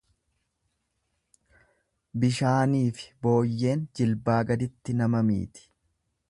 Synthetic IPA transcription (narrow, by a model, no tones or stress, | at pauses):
bɪʃaːniːfɪ̥bo̞ːjːe̞ːnd͡ʒɪlbaːɡɐd̪ɪt̪ːɪnɐmɐmḭːt̪ɪ̥